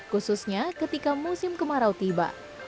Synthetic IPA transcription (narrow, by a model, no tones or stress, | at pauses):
kususɲakət̪ikamusɪmkəmaɾawt̪iba̰